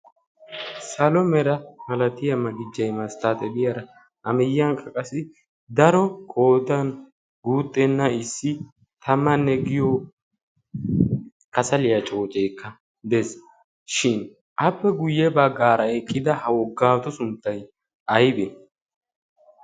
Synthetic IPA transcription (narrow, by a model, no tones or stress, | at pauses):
sɐlɔmɛɾɐmɐlɐt̪ɪjɐmɐɡɪd͡ʒːɐjmɐst̪aːt̪ɛbɪjɐɾɐ | ɐmɪjːɐŋkʰʼɐkʼɐsɪ | d̪ɐɾɔkʼo̞ːd̪ɐn | ɡuːt̪ʼːɛnːɐɪsːɪ | t̪ʰɐmːɐnːɛɡɪjo | kɐsɐlɪjɐt͡ʃʼo̞ːt͡ʃʼeːkːɐ | d̪ɛs | ʃɪn | ʔɐpːɛɡʊjːɛbɐɡaːɾɐɛkʼːɪd̪ɐhɐwɔɡaːt̪ɔsʊnt̪ːɐj | ʔɐjbɛ